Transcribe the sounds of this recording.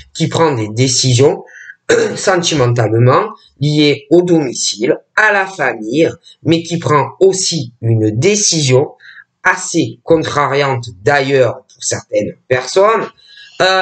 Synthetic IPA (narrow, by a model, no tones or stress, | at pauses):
kʲipχɑ̃d̪ed̪esizjɔ̃ | sɑ̃t̪imɑ̃t̪almɑ̃ | lijeod̪ɔmisilalafamij | mɛkʲipχɑ̃osiynd̪esizjɔ̃ | asekɔ̃t̪χaʁjɑ̃t̪d̪ajœʁpuʁsɛʁt̪ɛnpɛʁsɔn